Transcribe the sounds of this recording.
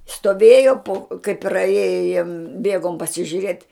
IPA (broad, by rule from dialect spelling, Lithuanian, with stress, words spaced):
stoːˈʋʲeːjoː poː kɐɪ prɐˈeːjoː ˈbʲiɛɡoːm pɐsʲɪʒʲʊˈrʲeːtʲ